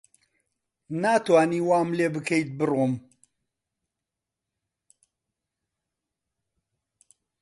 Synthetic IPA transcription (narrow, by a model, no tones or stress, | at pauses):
naːt̪waːniːwaːmleːbɨkʰejt̪̚bɨrom